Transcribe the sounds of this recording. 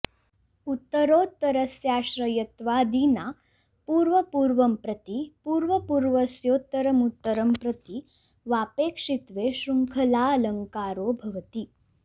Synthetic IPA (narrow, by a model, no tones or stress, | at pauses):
ut̪ːəɾoːt̪ːəɾəsjaːɕɾəjɐt̪ʋaːd̪iːna | puːɾʋəpuːɾʋəmpɾɐt̪ipuːɾʋəpuːɾʋəsjoːt̪əɾəmut̪ːəɾəmpɾɐt̪i | ʋaːpeːkʂit̪ʋeːɕɾuŋkʰɐlaːləŋkaːɾoːbʱɐʋt̪iː